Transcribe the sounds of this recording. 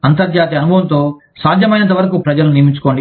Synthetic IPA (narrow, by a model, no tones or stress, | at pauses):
ɐnt̪ɐɾd͡ʒjaːt̪̬iɐnubʱɐʋɐnt̪o̞ː | saːd̪ʱjɐmɐjnɐnt̪ɐʋɐɾɐkupɾɐd͡ʒɐluniɾmiɲt͡ʃu̥ko̞ːɳɖi